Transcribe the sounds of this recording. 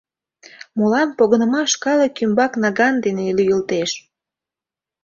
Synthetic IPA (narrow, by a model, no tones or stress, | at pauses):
mulɑnpoɣənə̆mɑʃkɑləkːymbɑknɑɣɑnd̪enelyjəlt̪eʃ